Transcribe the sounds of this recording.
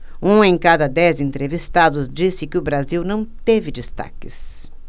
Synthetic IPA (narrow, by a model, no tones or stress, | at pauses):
ũẽj̃kad̪ɐd̪ɛzẽnt̪ɾevist̪ad̪ʊzd͡ʒisɪkɪʊbɾaziwnɐ̃w̃t̪evɪd͡ʒist̪a̰kɪs